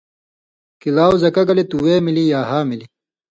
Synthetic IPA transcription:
kilaːwzɐkɐɡɐlet̪uweːmilijaːɦaːmili

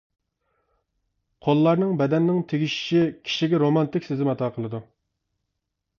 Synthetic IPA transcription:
qʰolˠːɑɾnɨŋbɛd̪ɛnːɪŋt̪ʰeɡʲiʃi̥ʃikʲʰi̥ʃiɡʲɛɾomɑnt̪ɪkʲsɪzɪmɑt̪ʰɑːqʰəlˠɨd̪u

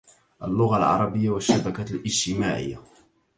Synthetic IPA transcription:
ʔa̰lːʊɣalʕɑ̰ɾˤɑbɪjːawaʃːabakaːt̪lʔɪd͡ʒt̪ɪmaːʕɪ̰jːa

